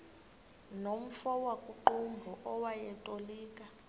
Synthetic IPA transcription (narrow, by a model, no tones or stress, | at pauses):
nom̩fɔwakʼuǃumbʱɔʔɔwajɛtʼoliːkʼa